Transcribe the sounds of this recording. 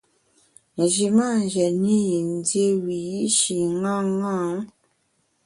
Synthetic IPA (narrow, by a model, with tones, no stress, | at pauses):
n̩˨ʒi˨ma˦˨n˨d͡ʒɛ˨ni˦ji˨n̩˦dje˦wi˨ji˦ʃi˨ŋã˦ŋã˦ŋ